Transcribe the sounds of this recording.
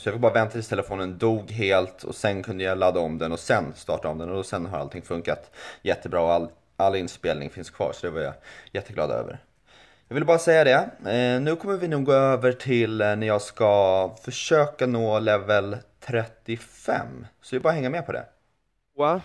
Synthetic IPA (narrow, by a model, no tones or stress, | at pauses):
sɔjɑfɪk̚bɑːɾavɛnt̪ʰat̪ɪt̪ʰɛləfoːnənd̪uːɡɦeːlt̪ʰɔ̰sɛnkʰɵnd̪əjalad̪ːaɔmd̪ɛnɔsɛnst̪ɑ̰ːʈaɔmd̪ɛnɔd̪ɔsɛnɦaɾalt̪ʰɪŋːfɵŋkat̪jɛt̪ʰːəbɾɑːɔal | ʔalːɪnspeːlnɪ̰ŋfɪnskʰvɑ̰ːɾsɔd̪ɛvaɾja̰jɛt̪ːəɡlɑ̰ːd̪ø̰ːvə̰ɾ | jɑɡvɪlbɑːɾasɛjːad̪ɛnʉ̟ːkʰɔmːəɾvɪnuːɡoːøːvəʈʰɪlnæɾjɑːɡskafœʂøːkanoːlɛvəlt̪ʰɾɛt̪ːɪfɛ̰mːsɔvɪlbɑːɾaɦɛŋːamɛːpʰɔd̪ɛ̰ | wa